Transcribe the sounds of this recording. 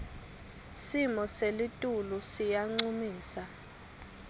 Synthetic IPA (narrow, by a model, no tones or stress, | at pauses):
simɔselitʼulusijaŋ͡ǀumiːsa